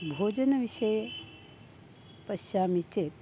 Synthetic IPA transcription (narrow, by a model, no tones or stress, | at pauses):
bʱoːd͡ʒɐnɐʋiʃɐjɐ | pɐʃjaːmit͡ʃeːt̪